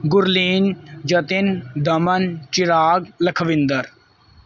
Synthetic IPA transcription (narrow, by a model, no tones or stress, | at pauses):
ɡʊɾliːnd͡ʒɐt̪ɪnd̪ɐmənt͡ʃɪɾaːɡlɐkʰʋɪnd̪əɾ